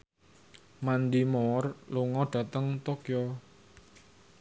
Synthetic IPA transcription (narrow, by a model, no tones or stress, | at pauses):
mand̪imɔrluŋɔɖ̥ä̤t̪əŋt̪okjɔ